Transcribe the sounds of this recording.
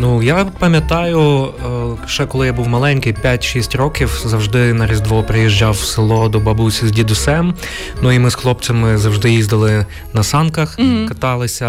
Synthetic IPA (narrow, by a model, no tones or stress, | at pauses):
nujapɐmʲjɐt̪ɑjʊ | ʒ̥ɛkɔlˠɪjabuwmɐlˠɛnʲkɪjpʲjatʲʃisʲtʲrɔkʲiwzɐwʒd̪ɪnɐɾʲizʲd̪ʋɔpɾɪjiʒd͡ʒɑwsɪlˠɔd̪ɔbɐbusʲizʲdʲid̪ʊsɛm | nuimɪsxlˠɔpt͡sʲɐmɪzɐwʒd̪ɪjizd̪ɐlˠɪ | nɐsɑnkɐxkɐt̪ɑlˠɪsʲɐ